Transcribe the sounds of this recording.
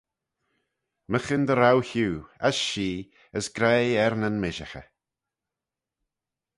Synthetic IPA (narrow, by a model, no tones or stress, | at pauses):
məxɪnd̪əɾawçuːa̰sʃiː | əsɡ̥ɾeːɛɾnənmɪʒəxə̰